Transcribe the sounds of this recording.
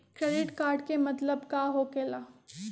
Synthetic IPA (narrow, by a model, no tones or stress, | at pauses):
kɾeːɖɪʈkaːɾɖkemɐt̪ləbkaɦokeːlaː